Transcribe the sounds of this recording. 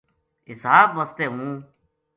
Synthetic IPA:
ɦɪsaːbməst̪eːɦũː

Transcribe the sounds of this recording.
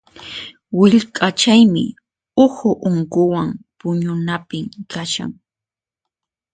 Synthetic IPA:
wɪʎkʼat͡ʃajmɪ̰ | ʊhʊʔʊŋkʊwaŋpʊɲʊnapɪmkaʃa̰ŋ

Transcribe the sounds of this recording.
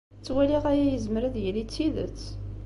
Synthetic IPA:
t͡sːwæliʁæjæjəzməɾæðjəlit͡sːiðə̰t͡sː

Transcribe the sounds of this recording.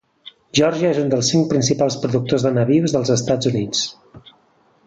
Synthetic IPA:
ʒɔɾʒəezund̪əlˠsːiŋk̚pɾinsipalˠspɾuðuk̚t̪ozðənəβiwzðəlˠzəst̪ad͡zunit͡s

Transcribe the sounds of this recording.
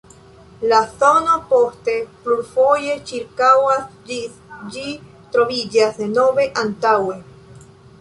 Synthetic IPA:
laθo̞nopo̞ste̞pluɾfo̞je̞t͡ʃiɾkawas | d͡ʒi | t̪ɾo̞vid͡ʒasnove̞ʔantawe̞

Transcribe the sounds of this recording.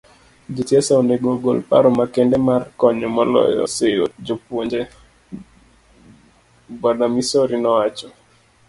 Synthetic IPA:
d͡ʒitjɛsaoneɡoɡolpa̰ɾɔmakendemarkɔɲɔmɔlɔ̰jɔ̰sejod͡ʒopwoɲd͡ʒe | bɔdamisoɾinɔwat͡ʃɔ

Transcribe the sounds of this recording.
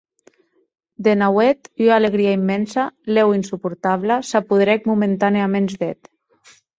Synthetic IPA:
d̪enawɛt̪yaleɣɾiaimːɛnsalɛwinsupuɾt̪aβlasapuðɾɛk̚mument̪aneamenzdɛt̪

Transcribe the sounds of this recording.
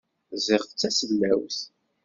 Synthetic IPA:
zɪʁθət͡sːæsəlmæwθ

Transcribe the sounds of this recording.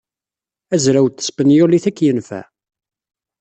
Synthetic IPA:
æzɾæwt̪ːə̥spənjʊliθækːjənfæ̰

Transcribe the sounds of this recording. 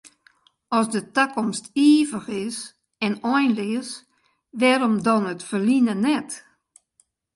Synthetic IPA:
ɔsdətakɔmstiːvəxɪs | ɛnɔjnlɪəs | ʋɛːɾɔmdɔnətfərlinənɛt

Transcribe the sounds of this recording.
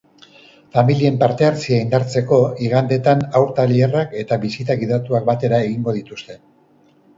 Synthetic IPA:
familie̞mpaɾt̪e̞aɾt͡siaind̪aɾt͡se̞ko̞iɣand̪e̞t̪anawɾt̪alierake̞t̪aβisit̪aɣiðat̪uak̚bat̪e̞ɾae̞ɣiŋɡo̞ðit̪ust̪e̞

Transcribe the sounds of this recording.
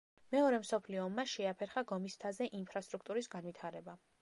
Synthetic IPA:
mɛɔɾɛmsɔpʰliɔːmːaʃɛapʰɛɾχaɡɔmist̪ʰazɛʔinpʰɾast̪ʼɾukʰt̪ʼuɾisɡanvit̪ʰaɾɛba

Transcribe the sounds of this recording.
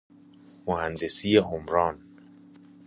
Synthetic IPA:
mohænd̪esiːjeɦomɾɒːn

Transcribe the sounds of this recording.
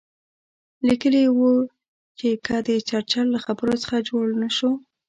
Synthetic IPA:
likəliwu | t͡ʃekʰəd̪ət͡ʃaɽt͡ʃallaxabəɾot͡sə̥xad͡ʒoɽnəʃo

